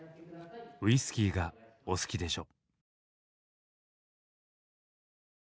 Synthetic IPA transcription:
ɯ̟isɨ̥kʲiːɡaosɨ̥kʲid̪e̞ɕo̞

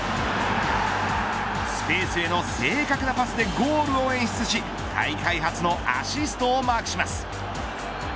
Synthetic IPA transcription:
sɨ̥pe̞ːsɨe̞no̞se̞ːkakɯ̟napasɨd̪e̞ɡo̞ːɾɯ̟o̞ẽ̞ɰ̃ɕi̥t͡sɨɕi | kʰa̰ikaiɦat͡sɨno̞ʔa̰ɕisɨ̥t̪o̞ːmaːkɯ̟ɕimasɨ̥

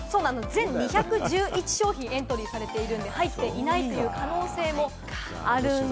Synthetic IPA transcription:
so̞ːnanozẽ̞ɲ̟ɲʲiçakɯ̟ʑɨːʔit͡ɕi̥ɕo̞ːçĩẽ̞nt̪o̞ɾʲiːsaɾe̞t̪e̞iɾɯ̟̃nd̪e̞hait̪ːe̞ʔinait̪ːo̞jɯ̟ːkʰano̞ːse̞ːmo̞ | aɾɯ̟n

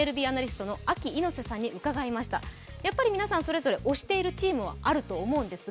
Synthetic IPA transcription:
eɾɯ̟bʲiːanaɾʲisɨ̥t̪o̞no̞akʲiːno̞se̞sãɲ̟ːiʔɯ̟kaɡaimaɕi̥t̪a̰ | japːaɾʲimʲinasãɰ̃so̞ɾe̞zo̞ɾe̞ʔo̞ɕi̥t̪e̞iɾɯ̟t͡ɕiːmɯ̟βa̰ʔaɾɯ̟t̪o̞ːmo̞ɯ̟̃nd̪e̞sɨ

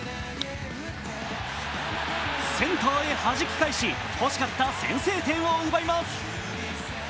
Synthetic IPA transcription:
sẽ̞nt̪oːehaʑikʲi̥kaiɕi | ho̞ɕi̥kat̪ːasẽ̞̰ɰ̃se̞ːt̪ẽ̞ɰ̃oɯ̟baimasɨ̥

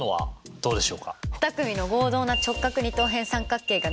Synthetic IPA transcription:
noβa̰d̪̥o̞ːd̪e̞ɕo̞ːkaɯ̟̥t̪akɯ̟mʲino̞ɡo̞ːd̪o̞ːnat͡ɕo̞kːakɯ̟ɲ̟it̪o̞ːɦẽɰ̃sãŋkakːe̞ːɡa

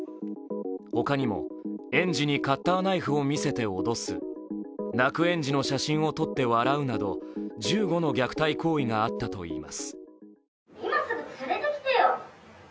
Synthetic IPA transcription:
ho̞kaɲ̟imo̞̰ẽ̞ɲ̟d͡ʑiɲ̟ikat̪ːaːnaiɸɯ̟o̞mʲise̞t̪e̞o̞d̪o̞sɨ̰ | nakɯ̟ẽ̞ɲ̟d͡ʑino̞ɕaɕĩɰ̃o̞t̪o̞t̪ːe̞βaɾaɯ̟nad̪o̞d͡ʑɨːɡo̞no̞ɡʲakɯ̟̥t̪aiko̞ːiŋaːt̪ːat̪o̞̰ḭːma̰sɨ̥ | imasɨɡosɨɾet̪ekʲi̥t̪ejo

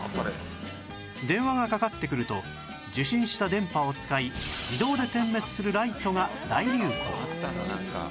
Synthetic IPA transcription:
d̪ẽ̞ɰ̃βaŋakakat̪ːe̞kɯ̟ɾɯ̟t̪o̞ | d͡ʑɨɕĩɰ̃ɕi̥t̪ad̪ẽ̞mpao̞t͡sɨ̥kaiid̪o̞ːd̪e̞t̪ẽ̞mːe̞t͡sɨ̥sɨɾɯ̟ɾait̪o̞ŋad̪aiɾʲɯː | aka̰

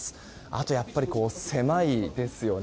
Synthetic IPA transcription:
sɨ̥ | a̰t̪o̞japːaɾʲiko̞ːse̞maid̪e̞sɨjo̞n

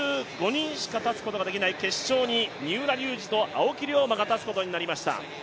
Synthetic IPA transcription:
ɨɡo̞ɲ̟ĩɰ̃ɕi̥kat̪at͡sɨ̥ko̞t̪oad̪e̞kʲinaike̞ɕɕo̞ːɲ̟iɲɨːɾaɾʲɨːʑit̪o̞ʔa̰okʲiɾʲio̞maɡat̪at͡sɨ̥ko̞t̪o̞ɲ̟inaɾʲimaɕi̥t̪a̰

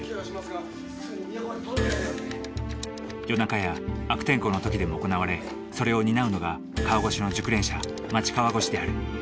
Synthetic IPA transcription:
jo̞nakajaːkɯ̥t̪ẽ̞ŋko̞no̞t̪o̞kʲid̪e̞mo̞ːko̞naβaɾe̞ | so̞ɾe̞o̞ɲ̟inaɯ̟no̞ɡa | kaβaɡo̞ɕino̞d͡ʑɨkɯ̟ɾẽ̞ɰ̃ɕa | mat͡ɕi̥kaβaɡo̞ɕid̪e̞aɾɯ̟

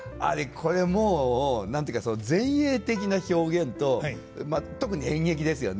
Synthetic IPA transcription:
a̰ɾekʰo̞ɾe̞moːnãnt̪ojɯ̟kasonozẽ̞ɰ̃e̞ːt̪e̞k̬ʲinaço̞ːɡẽ̞nt̪o̞ | mat̪o̞kɯ̟ɲ̟iẽɰ̃e̞k̬ʲid̪e̞sɨjo̞̰n

